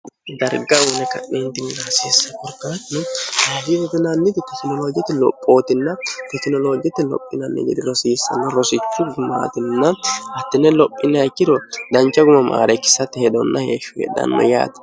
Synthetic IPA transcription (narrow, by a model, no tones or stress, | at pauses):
d̪ɐɾɡɐwʊnɛkɐ̰ʔːent̪ɪnːɪnaːseːsːɐkɔɾkːɐt̪ɪnɛhaːfidɛd̪ɪnanːɪd̪ɪt̪ɛknɔloːɡɪɛt̪ːɪlɔ̰pʼːoːt̪ɪnːɐt̪ɛkɪnɔlo̞ːɡɪɛt̪ːɪlɔ̰pʼːɪnɐnːɛ̰ɡɛ̰d̪ɪɾɔsiːsːɐ̰nːɐɾɔsɪt͡ʃːʊɡʊma̰ːt̪ɪnːɐhɐt̪ːɪnɛlɔpʼːɪnːɐkːɪd̪ɔd̪ɐnt͡ʃːɐɡʊmɐma̰ːɾɛkːɪ̥sːɐt̪ːɪhɛd̪ɔnːɐheːʃɔ̥ɡɛ̰d̪ɐ̰nːɔ̰ja̰ːt̪ɐ̥